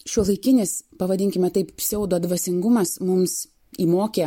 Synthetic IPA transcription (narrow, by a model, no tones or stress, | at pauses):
ʃʲuɔlˠɐɪkʲɪnʲɪspɐʋɐdʲɪŋʲkʲɪmʲɛt̪ɐɪpsʲɛʊd̪oɐd̪ʋɐsʲɪŋɡʊmɐsmʊms | iːmoːkʲeː